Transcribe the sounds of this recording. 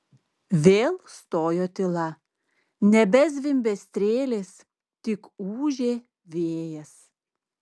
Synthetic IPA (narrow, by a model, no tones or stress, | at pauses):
ʋʲeːlˠst̪oːjoːt̪ʲɪlˠɐ | nʲɛbʲɛz̬ʋʲɪmʲbʲɛsʲt̪ʲɾʲeːlʲeːs | t̪ʲɪkuːʒʲeː | ʋʲeːjɛs